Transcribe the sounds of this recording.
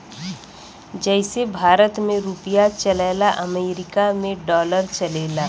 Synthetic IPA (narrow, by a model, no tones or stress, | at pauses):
d͡ʒɛːsebʱaːɾət̪mẽɾuːpɪjat͡ʃɐlɛːlaʔɐmeːɾɪkamẽɖɔːləɾt͡ʃɐleːlaː